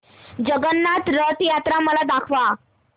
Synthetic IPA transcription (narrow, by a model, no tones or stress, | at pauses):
d͡ʑəɡənːat̪ɾət̪jat̪ɾaməlad̪akʰʋa